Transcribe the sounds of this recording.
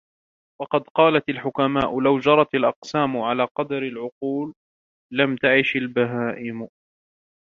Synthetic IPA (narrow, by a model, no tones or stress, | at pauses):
wɑqɑd̪qɑːlat̪alħʊkamaːʔʊlawd͡ʒɑɾˤɑt̪alʔɑqsaːmʊʕalaːqɑd̪ɾalʕʊquːlː | amt̪aʕɪʃalbaɦaːʔɪm